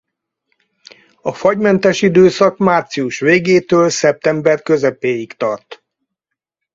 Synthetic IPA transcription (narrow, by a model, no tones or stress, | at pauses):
ɒfɒɟmɛnt̪ɛʃid̪øːsɒkmaːrt̪siuʃʋeːɡeːt̪øːlsɛp̚t̪ɛmbɛrkøzɛpeːjikt̪ɒrt̪